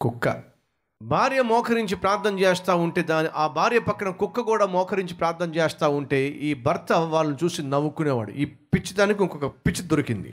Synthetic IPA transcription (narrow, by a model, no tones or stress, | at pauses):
kukːɐ̰ | bʱaːɾjɐmɔːkʰɐɾiɲt͡ʃipɾaːɾt̪ʰːɐmt͡ʃeːst̪aːuɳʈe̞ːd̪aːniʔaːbʱaːɾjɐpɐkːɐɳɐkukːɐkuːɽaːmɔːkʰɐɾiɲt͡ʃipɾaːɾt̪ʰːɐmt͡ʃeːst̪aːuɳʈe̞ːiːbʱɐɾt̪ɐʋaːlːɐnut͡ʃuːsinɐʋːukuneːʋa̰ːɽṵiːpit͡ʃːid̪aːnikiɔkɔkɐpit͡ʃːid̪ɔɾikind̪ḭ